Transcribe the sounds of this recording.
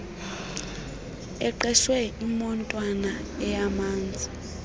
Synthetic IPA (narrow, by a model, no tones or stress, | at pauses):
ɛǃɛʃwɛimɔntʼwanaɛjamaːnd͡zʱi